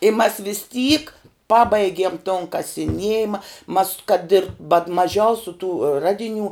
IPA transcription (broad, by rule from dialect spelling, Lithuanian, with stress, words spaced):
ɪ mɐs ʋʲiːs tʲiːk ˈpɑːbɐɪɡʲiɛm toːn kɐsʲɪˈnʲiɛjɪmɐ mɐs kɐt ɪr bɐt mɐˈʒʲɛʊsʲʊ tuː ˈrɑːdʲɪˌnʲuː